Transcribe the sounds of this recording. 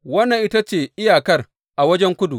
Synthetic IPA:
wɐ˦nːɐ˨ŋʔɪ˦ta˦t͡ʃeː˨ʔɪ˦jaː˨kɐ˦r | ʔa˨wɐ˦d͡ʒɛ˦ŋkʷʊ˦du˨

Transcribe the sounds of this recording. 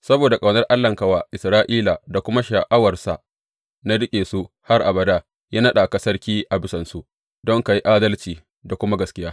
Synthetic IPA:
sɐ˦boː˨da˨kʼa˨wnɐ˦rʔa˦lːɐ˨ŋka˨wa˨ʔɪ˨sɾaː˦ʔiː˦la˨da˨kʷʊ˦ma˦ʃa˨ʔa˦wɐ˨rsa̰˨ | na˦ɽɪ˦kʲʼeː˨su˦ | ha˦rʔa˨bɐ˨daː˦ | jaː˦nɐ˦ɗa˨ka˨sɐ˦rkʲiː˦ʔa˨bɪ˦sɐ˨nsu˦ | dɔ˦ŋka˨ji˦ʔaː˦dɐ˦lt͡ʃiː˨ | da˨kʷʊ˦ma˦ɡɐ˨skʲɪ˦jaː˦

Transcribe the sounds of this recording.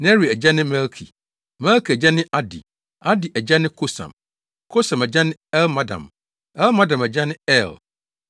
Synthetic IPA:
nɛ˦ɾi˨æ˨d͡ʑa˦nɪ̃˦mɛ˦lkʰḭ˨ | mɛ˦lkʰi˨æ˨d͡ʑa˦nɪ̃˦ʔa˦dḭ˨ | a˦di˨ʔæ˨d͡ʑa˦nɪ̃˦kʰo˦sã̰˨m | kʰo˦sã˨mæ˨d͡ʑa˦nɪ̃˦ɛ˦lma˦dã̰˨m | ɛ˦lmã˦dã˨mæ˨d͡ʑa˦nɪ̃˦ɛ˦˨l

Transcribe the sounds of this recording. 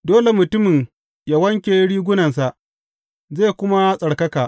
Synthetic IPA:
doː˦le˨mʊ˨tʊ˦mɪ˨ŋ | jaː˦wɐ˦ŋkʲeː˨˦ɽiː˦ɡʷʊ˦nɐ˨ns̬a˨ʔ | zeː˦˨kʷʊ˦ma˦sʼɐ˨ɽkɐ˦kaː˨ʔ

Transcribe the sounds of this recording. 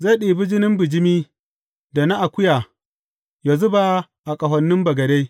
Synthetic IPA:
za˦˨ɗiː˨bɪ˦d͡ʒɪ˦nɪ˦mbɪ˨d͡ʒɪ˦miː˦ | da˨na˦ʔa˨kʷʊ˦ja˨ | ja˨zʊ˦ba˦ | ʔa˨kʼɐ˨ɦɐ˨nːɪ˦mbɐ˨ɡɐ˨de˦

